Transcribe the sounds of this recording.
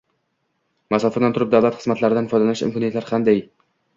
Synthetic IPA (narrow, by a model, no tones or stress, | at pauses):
masɒfɪɾd̪ant̪ʊɾɪp̚d̪avlat̪χɨzmat̪laɾɪd̪anfɒjd̪alanɪʃɪ̰mkʰɒnijt̪laɾqʰand̪aj